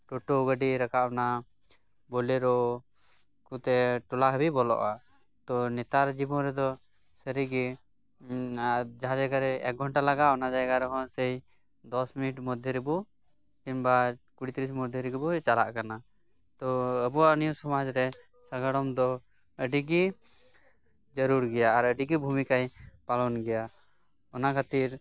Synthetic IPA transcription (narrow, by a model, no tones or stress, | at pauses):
ʈɔʈoɡəɖiɾakaʔna | bɔlɛɾɔ | kut̪ɛʈɔlaɦbibɔlɔ̰ʔa | t̪ɔnɛt̪aɾd͡ʒibɔnɾɛd̪ɔ | səɾiɡɛ | d͡ʒaɦãd͡ʒaɡaɾɛɛk̚ɡʱɔɳʈalaɡaʔɔnad͡ʒajɡaɾɛɦɔnsəj | d̪ɔsminiʈmɔd̪ʱjɛɾɛbɔ | pimbakuɽit̪ɾis̬mɔd̪ʱjɛɾɛɡɛbɔt͡ʃala̰ʔkana | t̪ɔəbɔwanijusɔmad͡ʒɾɛ | səɡəɽɔmd̪ɔ | əɖiɡi | d͡ʒəɾuɾɡɛjaːɾəɖiɡibʱumikajpalɔnɡɛja | ɔnakʰat̪iɾ